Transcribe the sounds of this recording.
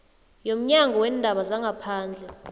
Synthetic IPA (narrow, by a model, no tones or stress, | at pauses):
jom̩ɲaŋɡɔwɛːndʱaɓazaŋɡʱapʰaːnd͡ɮʱɛ